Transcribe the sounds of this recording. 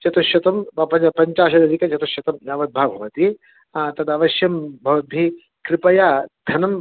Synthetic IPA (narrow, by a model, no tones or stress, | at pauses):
t͡ʃɐt̪ɐʃjɐt̪ɐmɐpɐpɐɲt͡ʃaːʃɐd̪ɐɾikɐd͡ʒɐt̪ɐʃjɐt̪ɐmjaʋɐd̪̚bʱaːbʱɐʋɐt̪i | t̪ɐd̪ɐʋɐʃjɐmbʱɐʋɐd̪̚bʱi | kɾɪpɐjaːd̪̥ʱɐnɐm